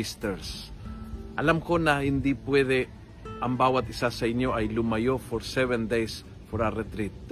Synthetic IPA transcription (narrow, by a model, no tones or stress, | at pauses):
ɪst̪ɛɾs | ʔɐlamko̞nɐhɪnd̪ipwɛd̪ɛ | ʔɐŋbaːwɐt̪̚ɪsasɐʔɪnjo̞ʔɐjlʊmɐjofɔɾsɛvɛnd̪ejs | foɾɐɾɛt̪ɾit̪̚